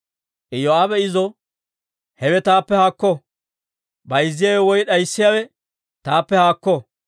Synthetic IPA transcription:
ʔɪjoaːbɛɪzɔ | hɛwɛt̪aːpːɛhaːkːɔ | bɐjzːɪjaːwɛwɔjɗɐjsːɪjawɛ | t̪aːpːɛhaːkːɔ

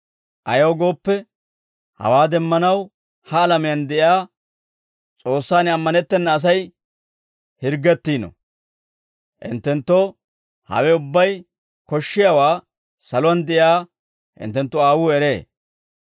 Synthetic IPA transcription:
ʔɐ̰jowɡo̞ːpːɛ | hɐ̰waːd̪ɛmːɐnɐw | hɐːlɐmɪjɐnd̪ɛʔɪaː | t͡sʼo̞ːsːaːnɪɐmːɐnɛt̪ːɛnːɐːs̬ɐj | hɪɾɡːɛt̪ːiːnɔ̰ | ʔɪ̰nt̪ːɛnt̪ːɔ | hɐ̰wɛʊbːɐj | kɔʃːɪjawaː | sɐlɔɐnd̪ɛʔjaː | hɪ̰nt̪ːɛnt̪ːʊaːwuːɛɾe̞ː

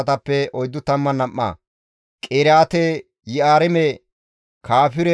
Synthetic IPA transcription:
ɐt̪ɐpːɛʔɔjd̪ːʊt̪ːɐmːɐnɐmːa̰ | kʼeːɾjaːt̪ɛ | jɪaːɾɛmɛ | kʰaːfɪɾɛ

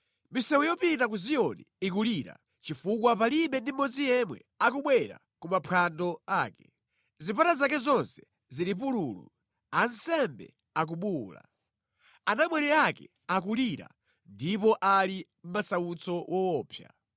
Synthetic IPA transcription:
misɛwɛjɔpintak̬uzijɔniikuliɾa̰ | t͡ʃifukwapaliɓɛndimɔd͡zijɛmwɛ̰ | akuɓwɛɾa̰ | kumapʰandɔaːkɛ̥ | zipatazakɛzɔnsɛ̥ | ziɾip̬uɾulṵ | ansɛmbɛ̰ | ak̬uɓuːla̰ | anamwɛɾɛakɛ̰ | ak̬uliɾa̰ | ndipɔʔalim̩masaut͡sɔwɔwɔːpʰja̰

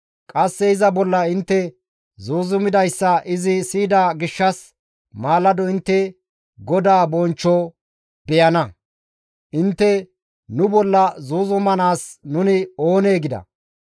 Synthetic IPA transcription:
kʼɐsːɛɪzɐbɔlːɐɪnt̪ːɛ | zuːzʊmɪd̪ɐjsːɐɪzɪsiːd̪aːɡɪʃːɐs | maːlːɐd̪ɔɪnt̪ːɛ | ɡɔd̪aːbɔnt͡ʃːɔ | bɛjɐnɐ | ʔɪnt̪ːɛ | nʊbɔlːɐzuːzʊmɐnaːsnʊnɪo̞ːneːɡɪd̪ɐ̰

